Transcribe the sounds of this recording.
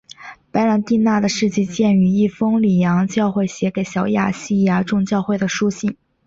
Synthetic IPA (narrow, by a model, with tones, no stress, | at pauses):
pa˧˥ɪɻa˧˥nt̪i˥˧na˥˩d̪ə˩ʂɻ̩˥˧t͡ɕi˥˧t͡ɕjɛ˥˩ny˧˥i˥˩fɤ˥ŋli˨˩jɑ˧˥ŋt͡ɕjɑ˥˧ʊxwe˥˩ɪɕjɛ˧˥ke˨˩ɪɕjɑ˨˧˥ʊja̰˥˩ɕi˥˩ja˧ʈ͡ʂʊ˥˧ŋt͡ɕjɑ˥˧ʊxwe˥˩ɪd̪ə˩ʂu˥ɕi˥˩ŋ